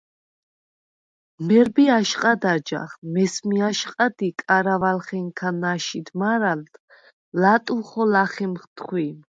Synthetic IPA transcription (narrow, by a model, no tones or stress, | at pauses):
mɛɾbiaʃqʼad̪ad͡ʒa̰χmɛsmiaʃqʼad̪ikʼaɾavalχɛŋkʰanaʃid̪maɾalt̪ | lat̪ʼuχɔlaχimχt̪ʰχwim